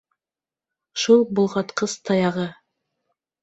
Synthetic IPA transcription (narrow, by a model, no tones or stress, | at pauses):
ʃulˠbŏlˠʁɑt̪qɤst̪ʰɑjɑʁɤ